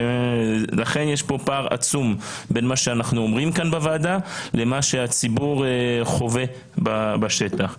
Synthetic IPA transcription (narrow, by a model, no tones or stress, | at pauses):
laχe̞njeʃpo̞paʁa̰t͡sum | be̞nmaʃeanaχnuomʁimkanbavaːdale̞maʃeat͡sibuʁχo̞ve̞ | babaʃet̪aχ